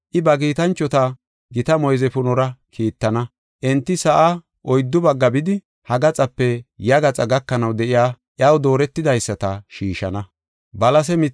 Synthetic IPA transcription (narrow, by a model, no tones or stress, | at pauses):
ʔɪbɐkiːt̪ɐnt͡ʃːɔt̪ɐ | ɡɪt̪ɐmɔjzɛpʊnɔɾɐkʰiːt̪ːɐnɐ | ʔɛnt̪ːɪsɐʔa | ʔɔjd̪ːʊbɐɡːɐbɪd̪ɪ | hɐɡɐt͡sʼɐpːɛjɐɡɐt͡sʼɐɡɐkːɐnɐwd̪ɛʔɪjaː | ʔjɐwd̪o̞ːɾɛt̪ːɪd̪ɐjsːɐt̪ɐʃiːʃɐnɐ | bɐlɐs̬ɛmɪ